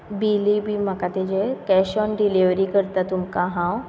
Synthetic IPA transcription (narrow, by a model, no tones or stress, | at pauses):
biːlibʱimakat̪ed͡ʒekɛːʃɔnɖiliʋɾikəɾt̪at̪ʊmkaɦãw